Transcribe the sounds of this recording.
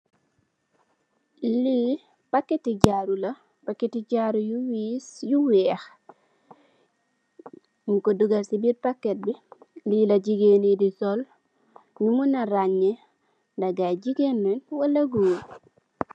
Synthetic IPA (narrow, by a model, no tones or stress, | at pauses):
li | pakːetiɟaɾula | pakːetiɟaɾujuwisjuwɛx | mukoduɡaɾsibiɾpakːet̚bililaɟiɡenidisol | ɲumunaɾaɲe | daɡajɟiɡenːenwalaɡuː